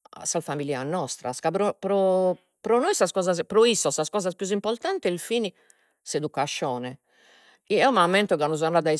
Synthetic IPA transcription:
a̰salfamilianːɔst̪ɾa̰skabɾɔpɾɔ | pɾɔnojsaskɔːzas̬pɾɔisːɔsaskɔːzaspjuzimpɔɾt̪ant̪ɛlfini | sed̪ukːaʃːɔːnɛ | iɛɔmamːɛnt̪ɔɣanuzanːad̪ai

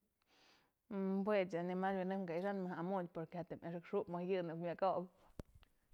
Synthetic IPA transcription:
bwet͡sanimaɾbinɨŋɡaiʂanmɨhamupoɾkehat̪emʔaʂ̬ɨkʂubmɨhjɨnɨkmʲjakob

